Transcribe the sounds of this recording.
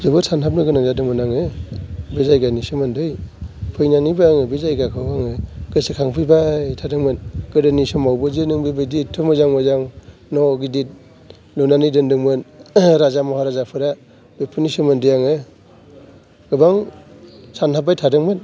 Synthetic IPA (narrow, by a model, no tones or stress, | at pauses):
zɯbɯsanɦap̬̚nɯɡɯnaŋzadɯŋmɯnaŋɯ | bezajɡanisɯmɯndɯjpʰɯjnanibaaŋɯbezajɡakʰɯwaŋɯɡ̥ɯsikʰaŋpʰɯjbajtʰadɯŋmɯnɡ̥ɯdɯnisɯmawbɯzɯnɯŋbibɯditʰːɯmɯzaŋmɯzaŋnɔɡidit̚ | lunanidɯndɯŋmɯnɾazamɔhaɾazapʰɯɾa | bepʰɯnisɯmɯndɯjaŋɯ | ɡ̥ɯbaŋ | sanhap̬̚ːajtʰadɯŋmɯn